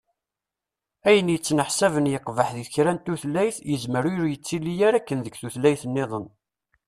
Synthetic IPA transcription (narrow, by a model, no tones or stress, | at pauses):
æjənjət͡sːnəħsævənjəqːvəħðiθçɾænt̪uθlːæjθjəzməɾʊɾjət͡sːilːijæɾækːənðəɡθuθlæjθənːeðˤən